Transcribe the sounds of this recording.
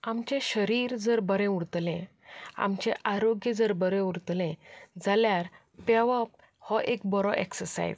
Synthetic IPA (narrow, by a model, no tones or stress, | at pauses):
amt͡ɕẽɕəɾiːɾd͡zəɾbəɾɛ̃uɽt̪lẽ | a̰mt͡ɕẽʔaɾoɡjəd͡zəɾbəɾɛ̃uɽt̪lẽd͡zaljaɾ | paʋəp̚ | hɔʔek̚bɔɾɔʔḛksəɾsa̰j̰z